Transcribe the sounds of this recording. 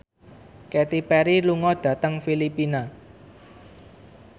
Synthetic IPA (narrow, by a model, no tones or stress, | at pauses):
kɛt̪ipɛɾiluŋɔd̪̥ä̤t̪əŋfilipina